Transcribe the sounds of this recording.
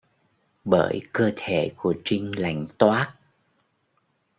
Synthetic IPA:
ɓəː˧˩jkəː˧t̪ʰe˧˩˨ku˧˩ət͡ɕï˧ŋ̟la˧˩jŋ̟t̪waː˦˥t̚

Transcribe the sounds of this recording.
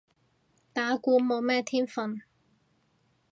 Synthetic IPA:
t̪aː˨˥kuː˧mo˨˧wmɛː˥t̪ʰiː˥nfɐ˧n

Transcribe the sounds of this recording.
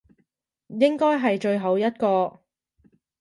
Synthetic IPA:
jɪ˥ŋkɔː˥jɦɐ˨jt͡ʃɵ˧ɥɦɐ˨˥wjɐ˥t̚kɔː˧

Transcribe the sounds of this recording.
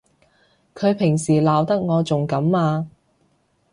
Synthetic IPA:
kʰɵ˨˧ɥpʰɪ˨˩ŋsiː˨˩laː˨wt̪ɐ˥k̚ŋɔː˨˧t͡sʊ˨ŋkɐ˨˥mːaː˧

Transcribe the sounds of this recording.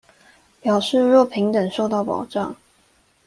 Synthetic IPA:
pjɑ˨˩ʊʂɻ̩˥˧˨ɻwɔ˥˨pʰi˧˥ŋt̪ə˨˩ŋʂo˥˧ʊt̪ɑ˥˩ʊpɑ̰˨˩ʊʈ͡ʂɑ̰˥˨ŋ

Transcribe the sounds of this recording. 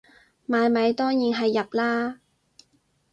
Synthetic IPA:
maː˨˧jmɐ˨˧jt̪ɔː˥ŋjiː˨˧nɦɐ˨jːɐ˨p̚laː˥

